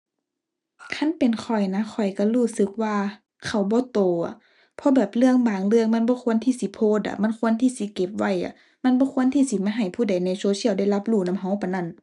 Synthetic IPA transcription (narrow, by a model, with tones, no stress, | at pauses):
kʰa˧˥˨npe˨nkʰɔ˨˩jna˧˥kʰɔ˨˩jka˧˩luː˧˩sɯ˧˦k̚waː˧˨ | kʰa˧˩wbɔː˧˦t̪oː˨a˨˩˨ | pʰɔ˧˦bɛː˨˩p̚lɯ˧˨əŋbaː˨˩ŋlɯ˧əŋma˧˥˨nbɔː˧˦kʰu˧ənt̪ʰiː˧˩si˧˦pʰoː˧˨t̪̚a̰˧˨ma˧˥˨nkʰu˧˥ə˨nt̪ʰiː˧˥˨si˧˦ke˧˦p̚wa˧˩˨jʔa̰˧˦ | ma˧˥˨nbɔː˧˦kʰu˧˥ənt̪ʰiː˧˩si˧˦maː˧ɦa˨˩jpʰuː˧˩da˨˩jnɛ˧˩soː˧˦si˧˥˨wda˧˩jla˧˥p̚luː˧˩˨na˧˨mɦa˧˦wpa˨na˧˩˨n